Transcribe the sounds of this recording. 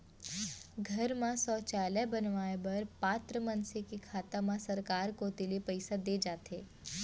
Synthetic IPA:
ɡʱɐɾmãsɔːt͡ʃaːlɛbɐnʋaːebɐɾpaːt̪ɾəmɐnsekikʰaːt̪amãsɐɾkaːɾkoːt̪ɪlepəɪsad̪eːd͡ʒaːt̪eː

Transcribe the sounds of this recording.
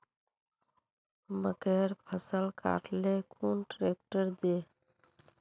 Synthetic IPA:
məkeɾpʰəsəlka̰ʈlekʰunʈɾek̚ʈəɾd̪e

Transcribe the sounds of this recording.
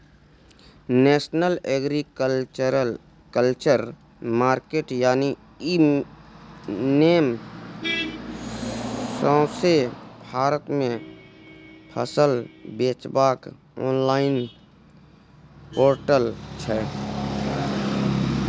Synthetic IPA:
neːsnəleːɡɾik | kəlt͡ʃəɾ | maːɾkeːʈjaːni | i | neːm | sɔ̃ːsebʱaːɾət̪mẽ | pʰə̰səlbeːt͡ʃbaːk | ɔːnlaːɪn | poːɾʈəlt͡ʃʰɛː

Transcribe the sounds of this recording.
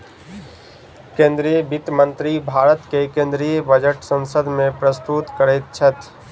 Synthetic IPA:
kẽːnd̪ɾijəbit̪mə̃nt̪ɾibʱaːɾət̪kekẽːnd̪ɾijəbəd͡ʒəʈsə̃nsəd̪ʱmẽpɾəst̪ut̪kəɾɛt̪̚t͡ʃʰət̪

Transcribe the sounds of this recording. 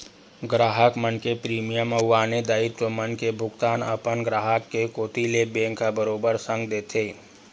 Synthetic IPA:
ɡɾaːɦəkmənkepɾiːmijəməːaːned̪aːɪt̪t͡ʃomənkebʱʊɡt̪aːnə̰pənɡɾaːɦəkːekoːt̪ilebẽːŋkabəɾoːbəɾsə̃ŋɡd̪eːt̪ʰeː

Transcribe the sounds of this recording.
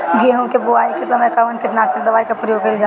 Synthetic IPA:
ɡiɦũkebʊaːikesɐməjkɐʋənkɪʈnaːʃɐk̚d̪ɐʋaːikapɾɐjoːɡ̚kːɐɪld͡ʒa

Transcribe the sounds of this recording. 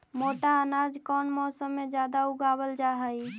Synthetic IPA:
moʈaənad͡ʒkɔnmɔsəmːed͡ʒad̪auɡabəld͡ʒaɦəj

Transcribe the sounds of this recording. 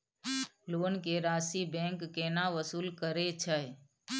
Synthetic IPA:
loːnkeɾaːsibɛ̃ŋkːeːnaʋəsuːlkəɾet͡ʃʰə

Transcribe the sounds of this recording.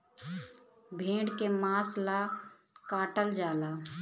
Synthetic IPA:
bʱẽːɽkemaːsla | kaːʈəld͡ʒaːlaː

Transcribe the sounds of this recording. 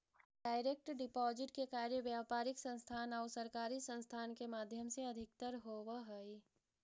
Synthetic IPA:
ɖaːɪɾek̚ʈɖɪpɔːzɪʈkekaːɾjəʋjaːpaːɾɪksə̃nst̪ʰaːnɔːʊsɐɾkaːɾisə̃nst̪ʰaːnkemaːd̪ʱjəmseɐd̪ʱɪk̚t̪əɾɦoːwaɦəi

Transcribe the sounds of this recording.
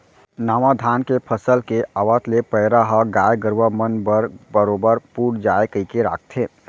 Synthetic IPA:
naːmad̪ʱaːnkepʰəsəlkeʔəʋət̪lepəɪɾaɦəɡaːjɡəɾʋəmənbəɾbəɾoːbəɾpuːʈd͡ʒaːekəikeɾa̰ːk̚ʰt̪ʰeː

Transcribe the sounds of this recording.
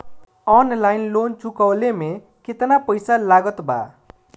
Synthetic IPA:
ʌnlajnlont͡sukʌwleme | ket̪napʌjsalaɡʌt̪ba̰

